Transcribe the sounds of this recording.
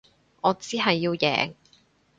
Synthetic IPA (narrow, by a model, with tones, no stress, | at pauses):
ɔː˨˧t͡siː˥ɦɐ˨jːiː˧wjɛ̰ː˨ŋ